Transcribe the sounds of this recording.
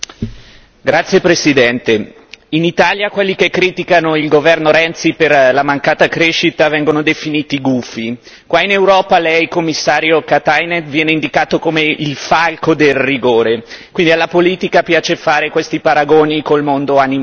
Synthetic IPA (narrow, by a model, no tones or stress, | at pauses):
ɡɾat̪sːjepɾesid̪ɛnt̪e | init̪aːljakwelːikekːɾiːt̪ikanoilɡovɛrnoɾɛnt̪siperlamaŋkaːt̪akɾeʃːit̪avɛŋɡonod̪efiniːt̪iɡufi | kwainewɾɔːpalɛjkomːisːaːɾjokat̪ajnet̪vjɛːneind̪ikaːt̪okomeilfalkod̪elriɡoːɾekwind̪ialːapoliːt̪ikapjaːt͡ʃefaːɾekwest̪ipaɾaɡoːnikolmond̪oanim